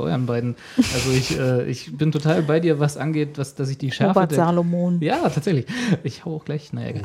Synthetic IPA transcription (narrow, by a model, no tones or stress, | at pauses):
ʔɔ̰ʏɐnbaɪdn̩ | ʔalzoɪçʔɛːʔɪ̰çb̥ɪntʰotʰaːlbaɪdiːɐvasʔa̰nɡeːtvasd̥as̬ɪçd̥iːʃɛɐfaədzaːlomoːnjaːtʰaːtz̥ɛçlɪçʔɪçhaʊəaʊxɡ̥laɪçnaja̰ɡ̥a̰